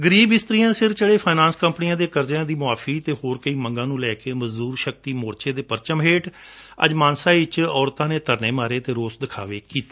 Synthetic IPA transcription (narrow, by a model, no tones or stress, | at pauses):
ɡəɾiːbɪst̪ɾijãːsɪɾt͡ʃəɽeːpʰaːnãːnskəmpnɪjãːd̪eːkəɾd͡ʒjãːd̪iːmʊaːfʰiːt̪eːhoːɾkəiːmə̃ŋɡãːnũːlɛːkeːməzd̪uːɾʃək̚t̪iːmoːɾt͡ʃeːd̪eːpəɾt͡ʃəmɦeːʈ | ə̰d͡ʒmãːnsãːɪt͡ʃɔːɾt̪ãːneːt̪əɾneːmaːɾeːt̪eːɾoːsd̪ɪkʰa̰ːʋeːkiːt̪eː